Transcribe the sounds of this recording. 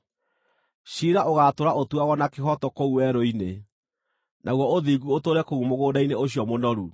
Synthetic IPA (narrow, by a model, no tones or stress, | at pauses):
ɕiɾaʔoɣatoɾaʔotuaɣɔnakehɔtɔkouwɛɾoine | nʔaɣwɔoðiɡuotoːɾɛkoumoɣoːdaineoɕiɔmonɔɾu